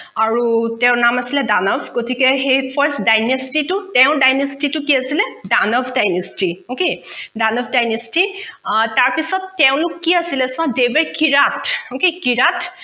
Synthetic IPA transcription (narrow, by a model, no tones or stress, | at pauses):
aɹutɛʊ̃namasilɛdanɔbʰʱɡotikɛxejpʰaɹsdajnestitʊtɛʊ̃dajnestitʊkiasilɛdanɔbʰʱdajnestiokedanɔbʰʱdajnestitaɹpisɔtːɛʊ̃lʊkːiasilɛsʊ̃ãdebɛɹkiɹatokekiɹat